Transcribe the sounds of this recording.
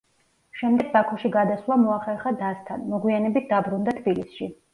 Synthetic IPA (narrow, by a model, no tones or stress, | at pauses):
ʃɛmd̪ɛɡ̚bakʰɔʃiɡad̪aswlˠamɔaχɛɾχad̪ast̪ʰa̰nmɔɡwianɛbit̪̚ʰd̪abɾund̪at̪ʰbilisʃi